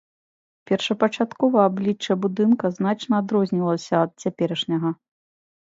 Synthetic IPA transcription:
pʲɛrʂɐpɐt͡ʂat̪kɔvɐablʲit͡ʂːɐbud̪ɨnkɐznat͡ʂnɐad̪ɾɔzʲnʲilˠɐsʲɐːt̪̚t͡sʲapʲɛɾɐʂnʲɐɣɐ

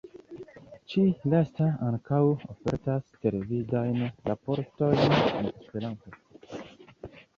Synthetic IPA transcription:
t͡ʃilastaaŋkawofe̞̰ɾtaste̞levidajnɾapo̞ɾto̞jnḛnespe̞ɾanto̞

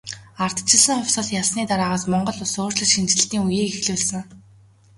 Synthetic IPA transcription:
ar̥t̪t͡ɕʰɪ̆ɮə̆ŋχʊwʲsə̆ɮjaɮsniːt̪aɾaːʁaːsmɔɴɢɞ̆ɮʊsoːrɮə̆ɮʃint͡ɕɪ̆ɮɬt̪iːŋujiːkexɮuːɮsɘ̆ŋ

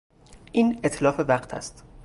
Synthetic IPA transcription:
ʔiːnet̪ʰlɒːfevæɢt̪ʰæ̰st̪

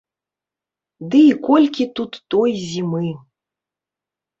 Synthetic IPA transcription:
d̪ɨikɔlʲkʲit̪ut̪ːɔjzʲimɨ

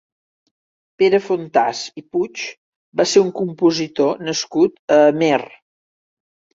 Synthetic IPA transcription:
peɾəfont̪asiput͡ʃ | baseɾuŋkumpuzit̪onəskut̪̚əmer

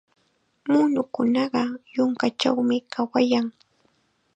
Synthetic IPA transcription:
mʊnʊkʊnɑɢɑjʊŋkat͡ʃa̰wmɪkawajaŋ

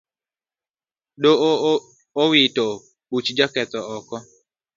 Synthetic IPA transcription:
do | owito | ɓut͡ʃd͡ʒakɛt̪ɔɔkɔ

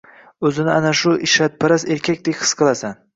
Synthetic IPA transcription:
ɵzɪnɪanaʃʊʔɪʃat̪̚pʰaɾase̞ɾkʲʰakʲd̪ekʲhɨ̥sqʰɨlˠasan

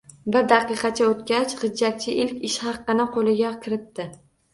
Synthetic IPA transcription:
bɪɾd̪ɑqɨqɑt͡ʃʰaot̪̚kʲat͡ʃχɨd͡ʒːat̪̚t͡ʃʰɪʔɪlkʲɪʃhɑqːɨnɪqʰolˠɪɡʲakʲʰɪɾɪt̪̚d̪ɪ

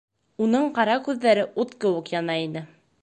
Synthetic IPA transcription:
unɤɴqɑɾɑkʉðːæɾɘʔut̪qɤ̆wɤqjɑnɑinɘ

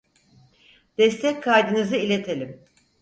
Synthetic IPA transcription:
d̪̥ɛst̪ʰɛckʰajd̪ɯnɯzɯilʲet̪ʰelʲim

